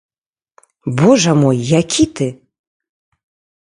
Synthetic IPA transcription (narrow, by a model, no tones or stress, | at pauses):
bɔʐɐmɔjːakʲit̪ɨ